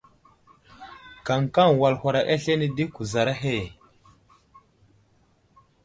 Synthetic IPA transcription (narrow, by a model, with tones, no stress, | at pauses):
ka˨ŋka˦ŋwa˨lha˨ɾa˨ʔa˦ɬe˦ni˦di˦ku˨za˨ɾa˦ɦe˦˨